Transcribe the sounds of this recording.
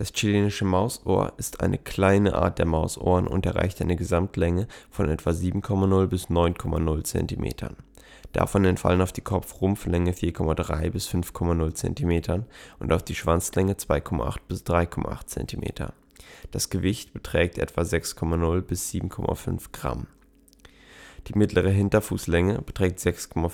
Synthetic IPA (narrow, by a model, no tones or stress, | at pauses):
d̥ast͡ʃileːnɪʃəmaʊsʔo̰ːɐʔɪstʔa̰ɪnəkl̥aɪnəʔa̰ːɐt̚d̥eːɐmaʊsʔo̰ːʁənʊ̰ntɛɐʁa̰ɪçtʔaɪnəɡəzamtʰlɛŋəfɔnʔɛtv̥aziːbm̩kʰɔmanʊlbɪsnɔʏnkʰɔmanʊlt͡sɛ̰ntimʔḛːtʰɐ̰n | d̥a̰fɔnɛntfa̰lənaʊfd̥iːkʰɔp͡fʁʊmflɛŋəfiːɐkʰɔmadʁa̰ɪbɪsfʏnfkʰɔmanʊlt͡sɛ̰ntimeːtʰɐnʔʊntaʊfd̥iːʃv̥ant͡slɛŋət͡sv̥aɪkʰɔma̰ʔa̰χt̚b̥ɪsd̥ʁaɪkʰɔma̰ʔa̰χtt͡sɛ̰ntimʔḛːtʰɐ̰ | d̥asɡ̥əvɪçtb̥ətʁ̥ɛːk̚tʔɛ̰tv̥azɛkskʰɔmanʊlbɪsz̥iːbm̩kʰɔma̰fʏ̰nfɡ̥ʁa̰m | d̥iːmɪtʰlʔəʁ̞əɦɪntɐfuːslɛŋəb̥ətʁ̥ɛːk̚tz̥ɛkskʰɔma